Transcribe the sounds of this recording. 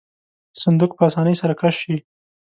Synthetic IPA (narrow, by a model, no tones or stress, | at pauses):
sand̪uk̚pəasɑnəjsaɾakaʃi